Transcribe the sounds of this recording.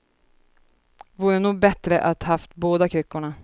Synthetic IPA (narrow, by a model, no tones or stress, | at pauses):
vuːɾənuːɡ̚bɛt̪ɾəʔat̪haft̪boːd̪akʰɾʏkːʊɳa